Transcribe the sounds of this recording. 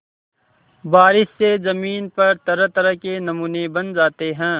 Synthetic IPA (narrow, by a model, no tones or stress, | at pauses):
baːɾɪsːezɐmiːnpɐɾt̪ɐɾət̪ɐɾəkenɐmuːnebɐnd͡ʒaːt̪eɦɛ̃ː